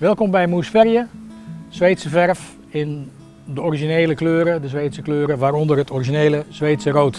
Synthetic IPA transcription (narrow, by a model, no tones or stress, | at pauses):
ʋɪlˠkɔmbɛjmusfɛrjəsʋeːtsəfɛrf | ɪn | dəɔriʒineːləkløːɾədəsʋeːtsəkløːɾəʋaːɾɔndərətʰɔriʒineːləz̥ʋeːtsəroːt